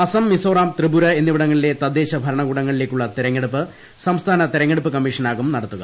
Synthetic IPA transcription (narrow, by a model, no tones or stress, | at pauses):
ɐsɐmːisoːraːmt̪rɨbuɾɐe̞nːiʋiɽɐŋːɐɭile̞t̪ɐd̪ːeːɕɐbʱɐɾɐɳɐɣuːɽɐŋːɐɭile̞kʲːuɭːɐt̪iɾɐŋːeɽupːɨ | sɐmst̪ʰaːnɐt̪iɾɐŋːeɽupːɨkɐmːiʂɐnaːɣumnɐɽɐt̪ːuɣɐ̰